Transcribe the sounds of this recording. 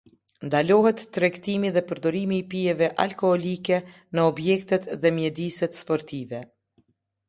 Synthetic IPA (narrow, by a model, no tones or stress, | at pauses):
nd̪alɔɦɛt̪ːɾɛkt̪imiðɛpəɾd̪ɔɾimiːpijɛvɛʔa̰lkɔhɔlikɛ | nəɔbjɛkt̪ɛt̪ðɛmjɛd̪isɛt̪spɔɾt̪ivɛ